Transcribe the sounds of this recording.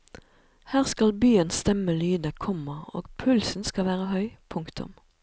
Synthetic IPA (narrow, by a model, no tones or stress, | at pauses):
hæːʁskɑlbyːənst̪ɛməlyːd̪əkʰɔməo̰ːɡpʰʉlsn̩skɑʋæːʁəhœʏpʰʊŋkt̪ʊ̰m